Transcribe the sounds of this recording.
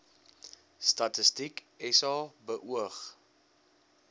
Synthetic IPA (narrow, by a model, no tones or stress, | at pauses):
stɐtəstik | ɛsɑːbəʔuəχ